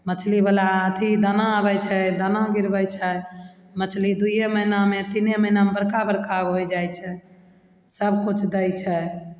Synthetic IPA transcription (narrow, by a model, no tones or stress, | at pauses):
mət͡ʃʰlibəlaət̪ʰid̪ənãabɛjt͡ʃʰɛd̪ənãɡiɾbəjt͡ʃʰɛ | mət͡ʃʰlid̪uieməɦinamet̪ineməɦinamebəɾkabəɾkaɡɦojd͡ʒajt͡ʃʰɛ | səbkut͡ʃʰd̪əjt͡ʃʰɛ